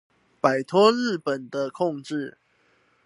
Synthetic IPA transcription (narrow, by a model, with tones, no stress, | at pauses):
pa˨˩ɪt̪ʰwɔ˦ɻ̩˥˩pə˨˩nd̪ə˨kʰɔ˥˨ŋʈ͡ʂɻ̩˥˨